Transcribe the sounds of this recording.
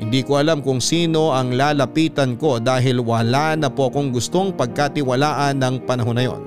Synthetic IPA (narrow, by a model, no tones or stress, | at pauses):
hɪnd̪iːkoʔɐlamkʊŋsiːno̞ʔɐŋlaːlɐpiːt̪ɐnko̞d̪aːɦɪlwɐlanɐpoʔɐko̞ŋɡʊst̪o̞ŋpɐɡ̚kaːt̪ɪwɐlaːʔɐnːɐŋpɐnɐɦonːɐjo̞̰n